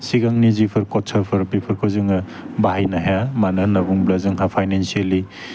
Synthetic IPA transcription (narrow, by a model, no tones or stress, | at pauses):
siɡaŋnizipʰɯɾkɔt͡ʃʰɐpʰɯɾpipʰɯɾkʰɯzɯŋɯ | baɦajnaɦjamanɯnabuŋblazɯŋɦapʰajnensiali